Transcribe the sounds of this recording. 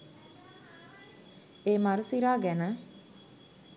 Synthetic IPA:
eːmaɾusiɾaːɡɛnə

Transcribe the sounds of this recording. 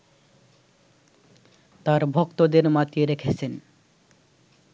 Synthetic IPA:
t̪aɾbʱokt̪od̪eɾmat̪ieɾekʰet͡ɕʰen

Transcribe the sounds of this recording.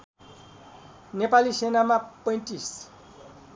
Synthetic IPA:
nepalisenamapʌ̃j̃tis

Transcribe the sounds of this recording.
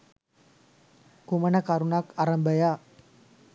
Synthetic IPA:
kumanakaɾunakaɾəmbaja

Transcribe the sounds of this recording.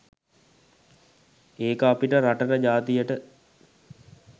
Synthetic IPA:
eːkəapiʈəɾaʈənəd͡ʒaːt̪ijəʈə

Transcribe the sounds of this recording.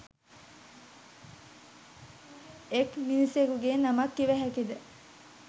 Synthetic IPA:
ekminisekuɡeːnɐmɐkːiʋæɦækid̪e

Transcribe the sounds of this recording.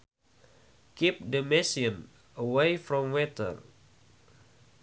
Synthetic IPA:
kip̚dəmɛsiə̃n | əwejfɾɔ̃mwɛt̪ə̰r

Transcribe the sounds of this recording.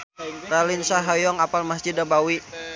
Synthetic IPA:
ɾalinsaɦajɔŋapalmasd͡ʒidabawi

